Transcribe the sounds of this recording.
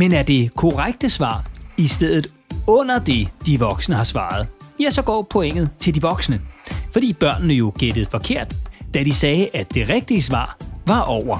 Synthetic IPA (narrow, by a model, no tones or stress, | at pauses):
menæɐd̥e̝kʰo̝ʁaɡ̥̚d̥əsʋɑ̰̈ːisd̥eð̰ˠð̩ˠ | ɔ̽n̰ɐd̥e̝d̥iʋɒ̽ɡ̥snəhɑ̈sʋɑ̰̈ːð̞̩ˠjæsɒ̽ɡ̥ɒ̰ːpʰoeŋ̰ð̞̩ˠt͡sʰe̝ld̥iʋɒ̽ɡ̥snəfɒ̽d̥ḭːb̥ɶɐ̰nnəjo̝ɡ̥ed̥əð̞̩ˠfɒ̽kʰe̝ɐ̰d̥ːæd̥isɛːʔæd̥e̝ʁeɡ̥̚d̥iəsʋɑ̰̈ːʋɑ̈ʔɒʊ̰ɐ